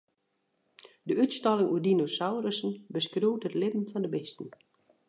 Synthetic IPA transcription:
dəytstɔlɪŋʔuədinosawrəsən̩bəskruwtətlɪbm̩fɔndəbɪstn̩

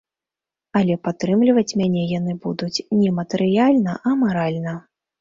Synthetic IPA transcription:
ɐlʲɛpat̪ːɾɨmlʲivɐt͡sʲmʲanʲɛjanɨbud̪ut͡sʲnʲɛmɐt̪ɨɾɨjalʲnɐʔɐmaɾalʲnɐ

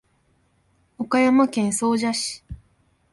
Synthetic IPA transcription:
okajamakẽ̞ɰ̃so̞ːʑaɕi̥

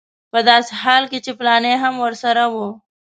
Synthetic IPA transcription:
pɐd̪aːshaːlkit͡ʃiplaːneɦɐmɔɾsɐɾɐwoː

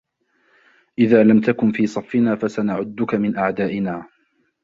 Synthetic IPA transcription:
ʔɪðaːlamt̪akʊnfiːsˤɑfːɪnaːfasanaʕʊd̪ːʊkamɪnʔaʕd̪aːʔɪnaː

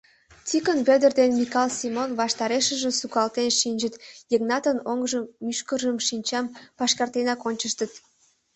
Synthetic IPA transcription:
t͡sikənβed̪ərd̪enmikɑlsimonβɑʃt̪ɑɾeʃə̆ʒĕsukɑlt̪enʃinʲd͡ʒət̪jəknɑt̪ənoŋʒəmːyʃkərʒəmʃinʲt͡ɕɑmpɑʃkɑrt̪enɑkonʲt͡ɕəʃt̪ət̪

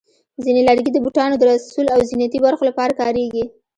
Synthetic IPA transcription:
zinelaɽɡid̪əbuʈɑnod̪əɾassulawzinat̪ibaɾxolapɑɾakɑɾeɡi

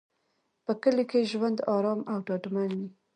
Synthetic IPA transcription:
pəkəlekeʒwand̪ɑɾɑmawɖɑʈmanwi

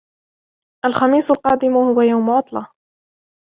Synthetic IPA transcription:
ʔalxɑmiːsʊlqɑːd̪ɪmhʊwajawmʊʕʊt̪ˤlɑ

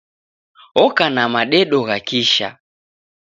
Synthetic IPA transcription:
ɔkanamaɗɛɗɔɣakiʃa̰

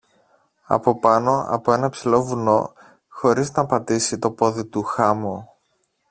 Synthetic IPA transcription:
ɐ̰po̞pɐno̞ɐ̰po̞e̞nɐpsilo̞vuno̞ | xo̞ɾiznɐpɐt̪isit̪o̞po̞ðit̪uxɐmo

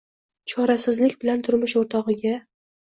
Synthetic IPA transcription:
t͡ʃʰɒɾasɪzlɪkʲbɪlant̪ʰʊɾmɪʃoɾt̪ʰɒʁɨɡʲa

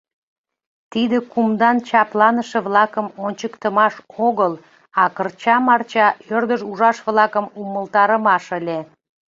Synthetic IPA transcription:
t̪id̪ekumd̪ɑnt͡ɕɑplɑnəʃĕβlɑkəmonʲt͡ɕəkt̪əmɑʃoɣəl | ɑkərt͡ɕɑmɑrt͡ɕɑørd̪əʒuʒɑʃβlɑkəmuməlt̪ɑɾəmɑʃəlʲe

